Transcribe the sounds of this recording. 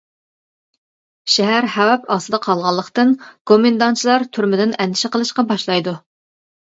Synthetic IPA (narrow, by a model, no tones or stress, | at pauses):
ʃɛɦæɾhɛwɛpɑsɨd̪ɑqʰɑlˠʁɑlˠːəχt̪ɨnɡ̥omɪnd̪ɑnt͡ʃʰilˠɑɾt̪ʰyɾmɪd̪ɪnɛnd̪ɪʃɪqʰəlˠɨʃqɑbɑʃlˠɑjd̪u